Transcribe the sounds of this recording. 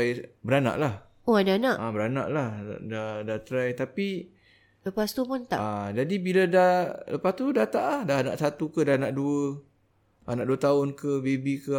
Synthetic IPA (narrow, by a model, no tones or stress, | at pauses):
jbəɾana̰ʔlah | oadanaʔabəɾana̰ʔlahdadat̪ɾajt̪api | ləpast̪upʊnt̪a̰ad͡ʒadibiladaləpast̪udat̪aʔlahdaɦna̰ʔsat̪ukədanaʔduə | a̰naʔduət̪aʊnkəbebikə